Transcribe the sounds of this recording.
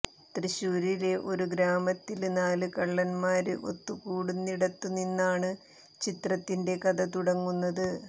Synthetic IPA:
t̪riɕuːɾiɾe̞ʔo̞ɾuɡɾaːmɐt̪ːilnaːlɨkɐɭːɐnmaːɾɨʔo̞̰t̪ːukuːɽunːiɽɐt̪ːuninːaːɳɨ | t͡ɕit̪rɐt̪ːinde̞kɐðɐt̪uɽɐŋːunːɐðɨ

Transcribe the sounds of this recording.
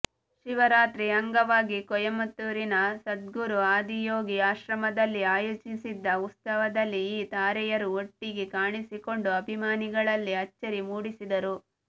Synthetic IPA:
ʃiʋɐɾaːt̪ɾiɐŋɡɐʋaːɡikɔjɐmɐt̪ːuɾinɐsɐd̪ɡuɾuaːd̪ijoːɡiaːʃɾɐmɐd̪ɐlːiaːjoːt͡ʃisid̪ːɐut̪ssɐʋɐd̪ɐlːiiːt̪aːɾɛjɐɾuoʈːiɡekaːɳisiko̞ɳɖuɐbʱimaːniɡɐɭɐlːiɐt͡ʃːɐɾimuːɽisid̪ɐɾu

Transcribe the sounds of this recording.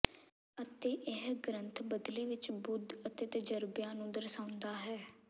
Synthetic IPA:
ət̪eːʔɪɦɡɾənt̪ʰbəd̪leːʋɪt͡ʃbʊd̪ət̪eːt̪əd͡ʒəɾbjaːnũːd̪əɾsãːʊ̃nd̪aːɦɛː

